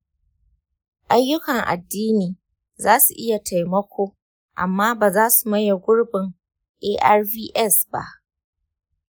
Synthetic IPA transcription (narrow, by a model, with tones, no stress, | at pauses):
ʔa˦jːʊ˦kɐ˨ŋʔa̰˨dːiː˦niː˨ | zaː˦su˨ʔɪ˦ja˨tʰa˨jmɐ˦kʷoː˦ | ʔa̰˨mːaː˦baː˨zaː˦su˨mɐ˦ja˨ɡʷʊ˦ɽbɪ˨ŋ | ʔeː˦ʔa˦rviː˦ʔɛ˦˨sba̰˦ʔ